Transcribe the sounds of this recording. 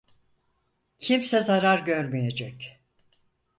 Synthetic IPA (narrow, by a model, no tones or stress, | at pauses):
cʰimsɛzaɾaɾɟøɾmijed͡ʒɛc